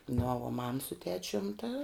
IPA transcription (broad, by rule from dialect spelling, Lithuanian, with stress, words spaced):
noː ʋuɔ mɐm sʊ ˈtʲæːt͡ʃʲʊm tɐ